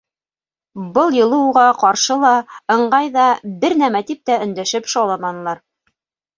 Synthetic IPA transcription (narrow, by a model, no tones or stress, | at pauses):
bɤlˠjɤ̆lˠɤ̆wʁɑqɑɾʃɤlˠɑɤ̆ɴɢɑjðɑbɘɾnæmæt̪ip̚t̪æɵ̆nd̪æʃɘpʃɑlˠɑmɑnlˠɑɾ